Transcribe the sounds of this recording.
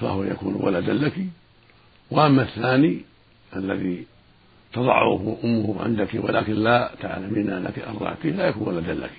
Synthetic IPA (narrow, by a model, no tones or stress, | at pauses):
fa̰hʊwaja̰kuːnwa̰lad̪anllaki | waʔamːaθːaːni | ʔalːaði | t̪ɑd̪ˤɑ̰ʕʊ̰hʊʔʊmːʊhʕɪ̰nd̪akiwa̰laːkɪnlaːt̪a̰ʕlamiːnla̰kiʔɑ̰rˤːɑ̰ːkilajakuːnwalad̪anlːa̰ki̥